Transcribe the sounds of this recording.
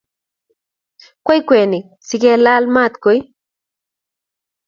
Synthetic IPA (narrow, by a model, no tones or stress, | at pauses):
kʷajkʷenɪ | sɪɡelalmat̪kʊj